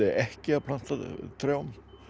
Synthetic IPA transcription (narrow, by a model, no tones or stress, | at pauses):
ɪɛhcɪapʰl̥an̥t̪at̪ʰɾjaːwn